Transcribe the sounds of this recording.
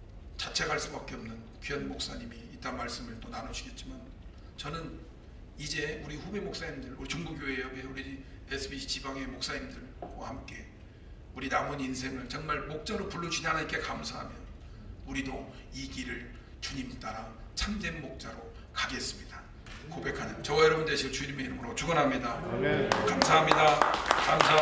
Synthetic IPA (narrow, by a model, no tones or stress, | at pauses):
t͡ɕat͡ɕʰe̞ɡaɦaɭs͈ubak͈eʌmnɯn | kɥiʌnmok̚s͈aɲimiːt͈anmaɭs͈ɯmɯɭt͈onanɯɕʰiɡe̞t̚t͡ɕ͈iman | t͡ɕʌnɯn | id͡ʑe̞uɾiɸube̞mok̚s͈aɲimdɯɭuɾit͡ɕʌŋbuɡjoɦeʌɡeuɾi | esʰɯbiɕʰit͡ɕibaŋemok̚s͈aɲimdɯɭɡwahamk͈e̞ | uɾinamʌnins̬ʰe̞ŋɯɭt͡ɕʌŋmaɭmok̚t͡ɕ͈aɾopuɭːud͡ʑudɦanaik͈e̞kamsʰaɦamjʌn | uɾidoiɡiɾɯɭ | t͡ɕuɲimt͈aɾat͡ɕʰamdenmok̚t͡ɕ͈aɾo | kaɡe̞s͈ɯmɲid̥a | kobe̞kʰadɯt͡ɕʌwajʌɾʌbundeɕʰiot͡ɕuɲimeiɾʌmɯɾot͡ɕuɡʌnɦamɲida | kamsʰaɦamɲidakamsʰa